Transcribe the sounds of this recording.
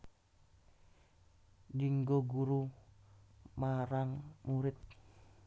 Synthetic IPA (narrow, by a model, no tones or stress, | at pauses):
niŋɡoɡuɾu | maɾaŋmuɾɪt̪̚